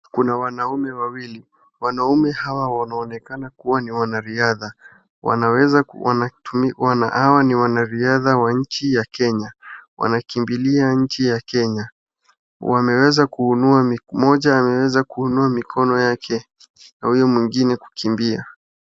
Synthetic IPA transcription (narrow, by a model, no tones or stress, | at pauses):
kunawanaumɛwawili | wanaumɛhawawanaɔnɛkanakuwaniwanaɾiaða | wa̰nawɛzaa̰namiwana̰ʔawaniwanaɾiaðawaɲ̩t͡ʃijakɛɲawa̰nakimbiliaɲ̩t͡ʃijakɛɲa | wamɛwɛzakuunuamimɔʄaːmɛwɛzakuhunuamikʰɔnɔjakʰɛ | nahujɔmwiŋɡinɛku̥kimbia